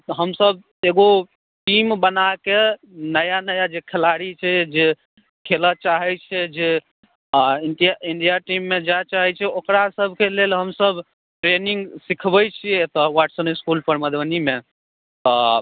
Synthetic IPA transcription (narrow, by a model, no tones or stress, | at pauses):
ɦəmsəb̚ʱ | eɡo | ʈimbənake | nəjanəjad͡ʒekʰelaɾit͡ʃʰɛd͡ʒe | kʰelət͡ʃaɦɛt͡ʃʰɛd͡ʒe | iɖijaiɳɖijaʈimːed͡ʒat͡ʃaɦɛt͡ʃʰɛokɾasəbʱkelelɦəmsəb | ʈɾeniŋɡsikʰbəjt͡ʃʰiɛt̪ɔwaʈsəniskulpəɾməd̪wənime | t̪ɔ